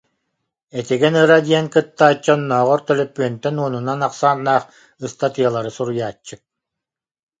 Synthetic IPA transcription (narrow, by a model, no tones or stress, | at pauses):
ɛt̪iɡɛnɯɾad̪iɛŋkɯt̪ːaːt͡ɕːɔnːɔːʁɔɾt̪œlœpːyœnt̪ɛnuɔnunanaqsaːnːaːχ | ɯst̪at̪ɯjɐlˠaɾɯsuɾujaːt͡ɕːɯk̚